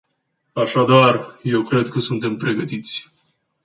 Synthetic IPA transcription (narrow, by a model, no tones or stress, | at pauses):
aʃad̪arje̞wkɾe̞d̪kəsunt̪e̞mpɾe̞ɡət̪it̪sʲ